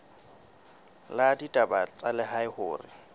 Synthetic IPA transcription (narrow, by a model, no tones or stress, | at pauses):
laditʼabat͡sʼalɪɦaɪhʊ̰ːrɪ̰